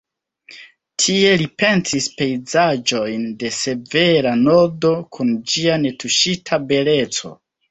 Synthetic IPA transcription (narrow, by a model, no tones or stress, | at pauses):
tʰie̞lipe̞nsispe̞jzad͡ʒo̞jnde̞se̞ve̞ɾano̞do̞kʰund͡ʒiane̞tuʃitʰabe̞le̞t͡so̞̰